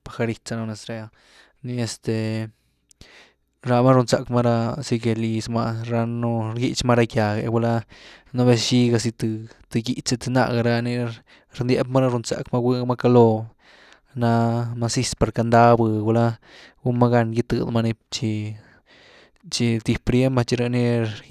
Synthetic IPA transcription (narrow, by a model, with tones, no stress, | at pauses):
pa˨xa˧ɾi˧tt͡sa˧no˧ne˧sɾe˧a˧ | ni˧e˧st̪e˨ | ɾa˧ma˦ɾu˧nt͡sa̰˨kma˦ɾa˦si˧ɡe˧li˧sma˧ɾa˧nu˦ɾɡi˦t͡ʃma˦ɾa˦kʲja˨ɡḛ˨bu˧la˦na˦βe˧sʃi˦ɡa˧si˧t̪ɨ˨˧t̪ɨ˧ɡḭ˧t͡ʃe˧t̪ɨ˧na̰˧ɡa˧ɾa˦ni˧ | ɾnd̪je˦pma˦ɾa˦ɾu˧nt͡sa̰˨kma˦ɡwi˦ma˦ka˧lo˧ | na˧ma˧si˦˧spa˨ɾka˧nd̪a˦bɨ˧ɡu˧la˦ | ɡu˦ma˦ɡa˧nɡi˦t̪ɨ̰˧d̪ma˧ni˧t͡ʃi˧ | t͡ʃi˧t̪i˧pɾje˦ma˧t͡ʃi˧ɾa˧ni˦